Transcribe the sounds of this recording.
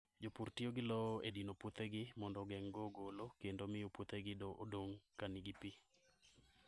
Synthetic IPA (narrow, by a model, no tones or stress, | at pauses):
d͡ʒopurtioɡɪlɔedinoput̪eɡɪmɔndɔɡɛŋɡɔɡolokendomɪjuput̪eɡɪdoodoŋkanɪɡɪpi